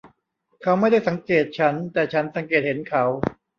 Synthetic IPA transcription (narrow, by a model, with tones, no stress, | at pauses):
kʰa˦˥wma˥˩jda˥˩jsa˩˦ŋkeː˨˩t̪̚t͡ɕʰa˦˥nt̪ɛː˨˩t͡ɕʰa˦˥nsa˩˦ŋkeː˨˩t̪̚he˩˦nkʰa˦˥w